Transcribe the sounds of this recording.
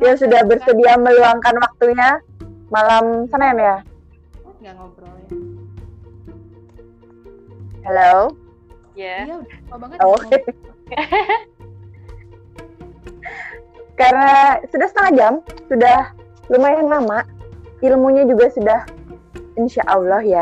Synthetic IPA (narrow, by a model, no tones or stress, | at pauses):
jasudahbərsədiaməluaŋkanwak̚t̪uɲa | malamsanajanja | helow | oke | karənasudahsət̪əŋad͡ʒamsudah | lumajaŋlamaʔilmuɲad͡ʒuɡasudah | inʃaʔalɔhja